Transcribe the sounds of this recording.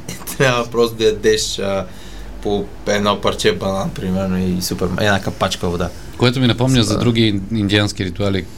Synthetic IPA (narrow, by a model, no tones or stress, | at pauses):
t̪ɾʲabvəpɾɔst̪od̪ɐjɐd̪ɛʃə | po | ɛd̪nɔpɐɾt͡ʃɛbɐnanpɾimɛɾnoisupɛɾmɛ̰nakapat͡ʃkəvod̪a | koɛt̪ʊminɐpɔmɲʲəzɐd̪ɾuɡ̟ʲiind̪iansk̟iɾit̪uali